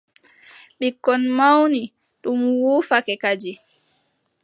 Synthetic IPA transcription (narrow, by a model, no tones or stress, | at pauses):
ɓikːɔnmawni | ɗumwuːfakɛkad͡ʒi